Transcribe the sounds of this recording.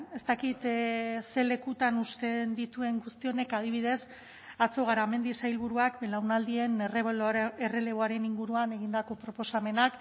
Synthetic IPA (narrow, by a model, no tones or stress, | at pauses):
e̞st̪akit̪se̞le̞kut̪anust̪e̞nd̪it̪ue̞ŋɡust̪io̞ne̞kað̞iβ̞ið̞e̞s | at͡so̞ɣaɾame̞nd̪isajlβuɾuakbelawnald̪ie̞nreere̞le̞βo̞aɾe̞niŋɡuɾuane̞ɣ̞ind̪ako̞pɾo̞po̞same̞nak